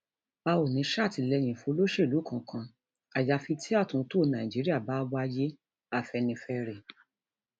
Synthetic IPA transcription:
ba˧o˨nĩ˨˧˦ʃa˦˨ti˨˧lɛ˧j̃ĩ˨fũ˧o˧lo˦ʃe˦˨lu˨˦kã˧˨kʰã˧ | a˨ja˧fi˧tʰi˦a˦˨tũ˨˧˦to˦˨nã˨d͡ʒi˨˦ɾi˦a˦˨ba˨˦wa˦je˦ | a˦˨fɛ˧nĩ˧fɛ˧ɾɛ˨

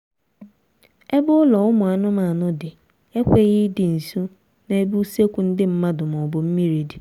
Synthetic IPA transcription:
e˦bʊ˦lɔ˨ʊ˦mʊ˨a˨nʊ˦ma˨nʊ˦dɪ˨ | e˦kʷe˦ɣɪ˦dɪ˨n̩˨su˦ | ne˨˦e˦bu˦se˦kʷu˨n̩˦dɪ˦m̩˦ma˦dʊ˨m˨ɔ˨bʊ˨m̩˦mi˦ɾi˨di˨

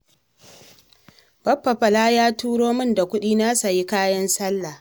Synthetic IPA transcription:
b̥ɐ˦ɸːɐ˨ɸɐ˨laː˦jaː˦tuː˦ɽoː˦mɪ˦nda˨kʷʊ˦ɗiː˦na˦sa˨ji˦kaː˦jɐ˦nsɐ˦lːa˨

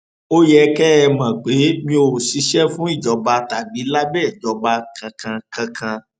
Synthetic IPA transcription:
o˦jɛ˧kɛ˦ɛ˧mã˨ɡ͡be˨˦mĩ˧o˨si˨˧˦ʃɛ˦fũ˦i˦˨d͡ʒɔ˨˧ba˧ta˨ɡ͡bi˨˦la˦ɡ͡bɛ˦˨d͡ʒɔ˧ba˧kã˧kã˧kã˧kʰã˧

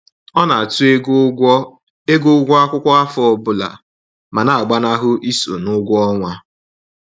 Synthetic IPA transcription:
ɔ˦na˨tu˦ | e˦ɡo˦ɡʷɔ˦a˦kʷʊ˦kʷɔ˦a˦fɔ˦˨bʊ˦la̰˨ | ma˨na˨a˨ɡ͡ba˦na˦ɦʊ˦ʔi˦so̰˨nʊ˦ɡʷɔ˦ŋʷa˦

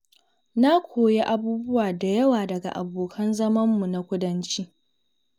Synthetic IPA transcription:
na˦kʷʰoː˨je˦ʔa˦buː˦bʊ˦waː˨da˨jɐ˦waː˨dɐ˨ɡa̰˨ʔa̰˨boː˨kʰɐ˦nzɐ˦mɐ˦mːu˨na˦kʷʊ˦dɐ˦nt͡ʃi˦

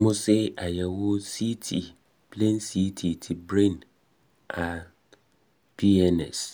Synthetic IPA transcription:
mʊ̃˦sɛ˦a˨jɛ˨wɔ˦si˦tʰi˨ | pʰlẽ˦nsi˦tʰi˨tʰɪ˨bɾẽ˦˨n | a˨ | pʰi˦ɛ˦nɛ̰˨s

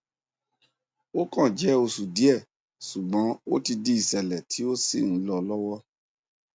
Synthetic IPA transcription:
o˦kã˦˨d͡ʒɛ˨˦o˧su˨di˨˦ɛ˦˨ | su˨ɡ͡bɔ̃˨˦o˦ti˧di˦i˨sɛ˨lɛ˨tʰi˨˦o˦si˦˨ñ̩˨˦lɔ˧lɔ˦wɔ˦

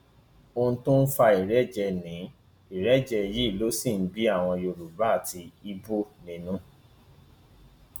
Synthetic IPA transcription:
õ˧˦tũ˦n̩˦fa˧i˨ɾɛ˦d͡ʒɛ˧nĩ˨˦ | i˨ɾɛ˨˦d͡ʒɛ˧ji˦i˦˨lo˨˦sĩ˦˨n̩˦bi˦a˦˨w̃ɔ̃˧jo˧˨ɾu˨ba˦a˦˨ti˧i˦bo˦nĩ˧nũ˦

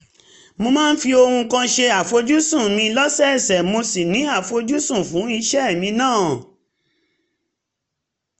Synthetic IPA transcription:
mo˧mãː˦n̩˦fi˧o˧hũ˧kã˧ʃe˧a˨fo˧d͡ʒu˦sũ˦˨mĩ˧lɔ˦sɛ˦ɛ˦˨sɛ˨mo˧si˨nĩ˨˦a˦˨fo˧d͡ʒu˦sũ˦˨fũ˨˦i˧ʃɛ˦˨mĩ˧nãː˦˨

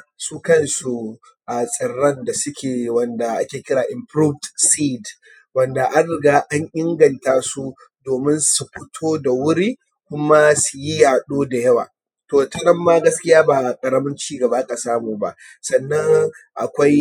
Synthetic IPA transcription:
su˦kɐ˦nsu˨ | ʔa˨sʼɪ˨ɽːɐ˦nda˨sʊ˦kʲʰeː˨wɐ˨nda˨ʔa˦kʲeː˨kʲɪ˦ɽaː˨ʔɪ˨mpɾuː˦vdsi˦d | wɐ˦nda˨ʔa˦nɪ˨ɡaː˦ʔa˦ɲʔɪ˦ŋɡɐ˨ntaː˦su˦ | doː˨mɪ˦nsu˨ɸɪ˦tʰoː˦da˨wʊ˦ɾiː˦ | kʷʊ˦ma˦su˨ji˦jaː˨ɗoː˦da˨jɐ˦waː˨ | toː˨tɐ˦nɐ˦mːaː˦ɡɐ˦skʲɪ˦jaː˦baː˨kʼɐ˨ɾɐ˦mɐ˦nt͡ʃiː˦ɡɐ˨ba˦kʼa˨saː˦muː˨ba̰˦ʔ | sɐ˨nːɐ˦ŋʔa̰˨kʷa˦j

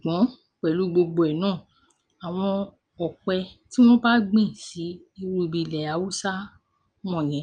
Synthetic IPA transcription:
su˨ɡ͡bɔ̃˨˦ | k͡pɛ˨lu˨˦ɡ͡bo˧ɡ͡bo˧ɛ˨nãː˦˨ | a˨w̃ɔ̃˧ | ɔ˨kɛ˧ti˦w̃ɔ̃˦ba˦ɡ͡bĩ˦˨si˨˦ | i˧ɾu˦˧˨bi˧˨lɛ˨a˨˦wu˦sa˦ | m̃ɔ̃˦˨j̃ɛ̃˨˦

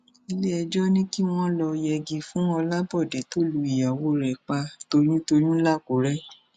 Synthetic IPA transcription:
i˧le˦ɛ˧d͡ʒɔ˦nĩ˦ki˦w̃ɔ̃˦lɔ˧jɛ˧ɡi˧fũ˦ɔ˧la˦bɔ˦˨de˨to˦lu˨˧i˨ja˨wo˦ɾɛ˨k͡pa˧to˧ɾĩ˦to˧ɾ̃ĩ˦la˦˨ko˨˦ɾɛ˦

